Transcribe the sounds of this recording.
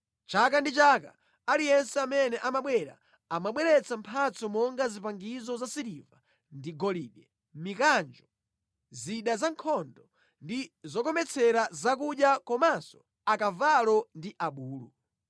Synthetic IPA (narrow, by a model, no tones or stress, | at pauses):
t͡ʃakandit͡ʃaka | alijɛnsɛamɛnɛʔamaɓwɛɾa̰ | amaɓwɛɾɛt͡sampʰat͡sɔmɔŋɡazipaŋɡizɔzasiɾiva | ndiɡɔliɓɛ | mikand͡ʒɔ | ziɗazaŋkʰɔndɔ | ndizɔkɔmɛt͡sʰɛɾazak̬uɗjakɔmansɔ̥ | akavalɔndiʔaɓuːlṵ